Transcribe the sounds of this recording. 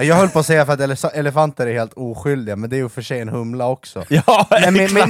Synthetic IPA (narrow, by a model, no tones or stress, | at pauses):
jɑːɡhœlːpʰoːsɛjːafœɾat̪ɛlɛɛlɛfant̪əɾæɾheːlt̪uːɧʏld̪ɪɡamɛnd̪ɛæɾjɵfœʂɛjɛnhɵmlaɔksɔ̰ɛm